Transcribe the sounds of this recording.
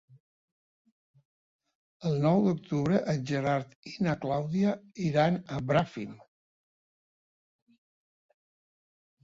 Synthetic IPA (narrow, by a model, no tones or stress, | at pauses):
əlˠnɔwd̪uk̚t̪uβɾəʔəʒəɾaɾt̪inaklawðiaiɾanəbɾafim